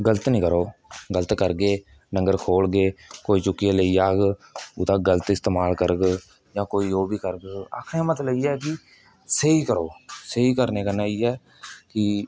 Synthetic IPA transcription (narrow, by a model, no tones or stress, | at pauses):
ɡələt̪nĩːkəɾoːɡələt̪kəɾɡeː | nə̃ŋɡəɾkʰoːlɡeːkoːiːt͡ʃʊkːijeːləiːaːɡʊt̪ãːɡələt̪ɪst̪eːmaːlkəɾəɡ | jãːkoːiːoːbʱiːkəɾəɡa̰ːkʰẽːmət̪ləiːɛːkɪ | səiːkəɾoːsəiːkəɾneːkənaːiːɦɛː | kɪ